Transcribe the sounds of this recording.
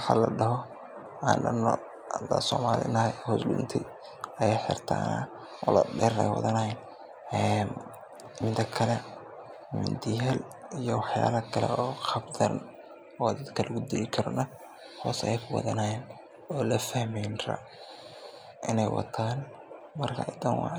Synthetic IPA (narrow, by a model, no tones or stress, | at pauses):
wħa̰ːlɐɖɐɦɔ | aːnɖɐnɔ̰ | ɐd̪asɔːmaːlɪ̰nɐhɔːslʊ̰nt̪ʰɪ | ɐjħɪ̰rt̪ʰa̰ːnɐ̰ | ʔʊlɐɖɛɾɛ̰jwɑ̰ðɐnɐjɛn | ɛn | ɪmt̪ɐkʰɐlɛ | mɪ̰nd̪ɪɛl | ijɔwɑħjaːlɐkʰɐlɛ̰ɔːqɑbd̪ɐ̰n | ɔːd̪ɐd̪kʰɐlʔɐɣʊd̪ɪlɪkʰɐɾɔnɐ | hɔːsɛjkʰʊwɑ̰ðɐnɐjɛn | ɔːlɐfɐhmɛjnrɐ̰ | ʔɪnɛjwɑ̰t̪ʰaːn | mɐrkʰɐd̪ɐnwɑ̰ʕ